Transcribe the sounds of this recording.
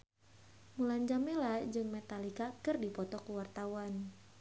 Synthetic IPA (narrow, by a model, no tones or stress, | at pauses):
mulaɲd͡ʒamelad͡ʒɨŋmɛt̪alikakɨrdipɔt̪ɔkuwart̪awan